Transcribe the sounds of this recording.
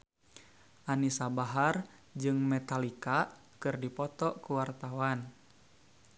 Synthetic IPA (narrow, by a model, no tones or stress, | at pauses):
ʔanisabaɦar | d͡ʒɨŋmɛt̪alika | kɨrdipɔt̪ɔkuwart̪awan